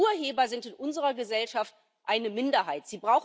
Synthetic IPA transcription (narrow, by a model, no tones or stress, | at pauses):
uːɐɦeːbɐzɪntɪnʔʊnzəʁɐɡəzɛlʃaft | ʔaɪnəmɪndɐhaɪtz̥iːbʁaʊx